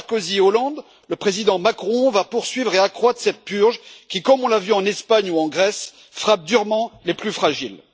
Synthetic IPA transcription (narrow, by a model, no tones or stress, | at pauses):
ʁkoziolɑ̃d̪ | ləpχezid̪ɑ̃makχɔ̃vapuʁsɥivʁeakχwat̪χsɛt̪̚pyʁʒkʲikɔmɔ̃lavyɑ̃nɛspaɲuɑ̃ɡʁɛs | fχap̚d̪yʁmɑ̃leplyfχaʒil